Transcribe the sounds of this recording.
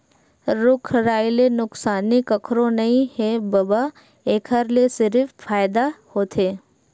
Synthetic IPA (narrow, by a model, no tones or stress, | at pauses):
ɾʊkʰɾaːilenʊksaːnikəkʰɾõnɐɦĩhebɐba | eːkʰəɾlesɪɾffaːjd̪ahoːt̪ʰeː